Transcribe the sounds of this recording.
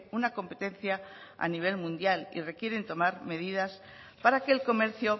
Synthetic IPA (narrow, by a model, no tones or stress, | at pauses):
unako̞mpe̞t̪e̞n̟θjaa̰niβ̞e̞lmũnd̪jalḭre̞kje̞ɾe̞nt̪o̞maɾme̞ð̞iðas | paɾake̞lko̞me̞ɾθjo̞